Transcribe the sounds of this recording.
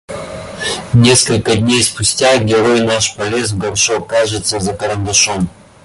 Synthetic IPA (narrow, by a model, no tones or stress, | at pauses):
nʲeskəlʲkəd̪ʲnʲejspʊsʲtʲaɡʲɪɾojnaʃpɐlʲezɡɐɾʃokaʒɨt̪səzɐkəɾənd̪ɐʃom